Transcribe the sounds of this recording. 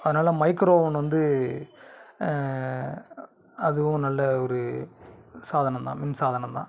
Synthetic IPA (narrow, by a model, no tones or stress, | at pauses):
ɐðɐnaːlɐmɐɪkɾoːʋɐnʋɐnd̪ɯ | ɐðɯʋʊ̃nɐlːɐɔɾɯ | saːðɐnɐ̃mt̪ã̰ːmɪnsaːðɐnɐ̃t̪ã̰ː